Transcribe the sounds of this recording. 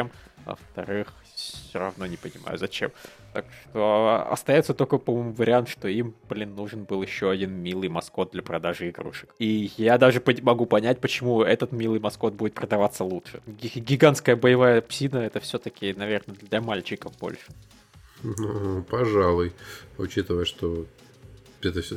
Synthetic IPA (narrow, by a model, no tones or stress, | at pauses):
emvə̰ft̪ɐ̰ɾɨx | ssʲoɾɐ̰vno̞nʲɪpənʲɪma̰jʊ̰zɐt͡ɕe̞̰m | t̪a̰kʂt̪o̞ɐ̰st̪ɐjot̪sət̪o̞lʲkəpɐmomuvəɾʲɪant̪ʂt̪oimb̥lʲinːuʐɨnbɨlˠjɪɕːoɐdʲinmʲilˠɨjmɐsko̞t̪̚d̪lʲɐpɾɐd̪aʐɨɪɡɾṵʂɨ̥kijad̪aʐɨpmɐɡupɐnʲæt̚ʲpət͡ɕɪmuɛt̪ət̪mʲilˠɨjmɐsko̞t̪̚budʲɪt̪̚pɾəd̪ɐvat̪sːəlˠutʂɨɡʲɪɡʲɪɡanskəjəbəjɪvajəpsʲinəɛt̪əfsʲɵt̪əkʲɪnɐvʲe̞rnəd̪lʲɐmalʲt͡ɕɪkəvbo̞̰lʲʂɨ̥ | nupɐʐalˠʊjʊt͡ɕit̪əvəjəʂt̪o | ɛt̪əfsʲ